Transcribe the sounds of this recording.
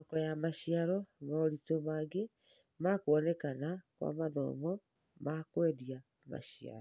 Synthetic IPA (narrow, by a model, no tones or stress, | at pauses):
ɔkɔjamaɕiaɾɔmaoɾitomaɡe | makoɔnɛkanakwa̰maðɔ̰mɔ | makwedia | ma̰ɕia̰ɾ